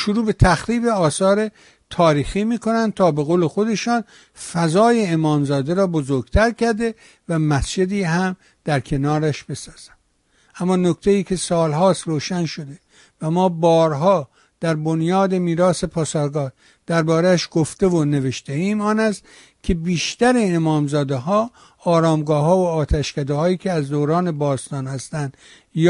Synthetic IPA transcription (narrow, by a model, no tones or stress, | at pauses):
ʃoɾuːbe̞t̪ʰæxɾiːbe̞ɒːsɒːɾe̞ | t̪ʰɒːɾiːxiːmiːko̞nænd̪̚t̪ʰɒːbe̞ɣoːle̞xo̞d̪e̞ʃɒːn | fæzɒːje̞ːmɒːmzɒːd̪eɾɒːbozoɾɡt̪ʰæɾkʲæɾd̪e̞ | væmæsd͡ʒe̞d̪iːɦæm | d̪̥æɾkʰe̞nɒːɾæʃb̥e̞sɒːz̥æ̥m | ʔæmːɒːnokt̪ʰe̞iːkʰe̞sɒːlɦɒːst̪roːʃænʃo̞d̪e̞ | væmɒːbɒːɾɦɒː | d̪̥æɾbonjɒːd̪e̞miːɾɒːse̞pʰɒːsɒːɾɡɒː | d̪̥æɾbɒːɾeæʃɡ̥oft̪e̞vone̞ve̞ʃt̪eiːmɒːnæst̪ | kʲʰe̞biːʃt̪æɾeːmɒːmzɒːd̪eɦɒː | ɒːɾɒːmɡɒːɦɒːvoːt̪ʰæʃkæd̪ehɒːiːkʰʲe̞æzd̪owɾɒːne̞bɒːst̪ɒːnhæst̪ænd̪̥ | j